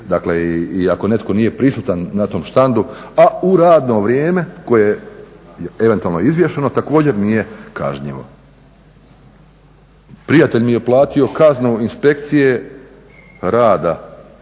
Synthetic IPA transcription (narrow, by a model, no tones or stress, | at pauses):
d̪akleiiako̞ne̞t̪ko̞nije̞pɾisuːt̪anːat̪o̞ːmʃt̪and̪uauɾaːd̪no̞ʋɾjeːme̞ko̞jeje | eʋe̞nt̪ualnojizʋje̞ʃeno̞t̪akoːd͡ʑe̞ɾnije̞ka̰ʒɲḭʋo̞̰ | pɾijat̪e̞ʎmije̞plˠaːt̪io̞kaznuinspe̞kt̪sije̞ | ɾaːd̪a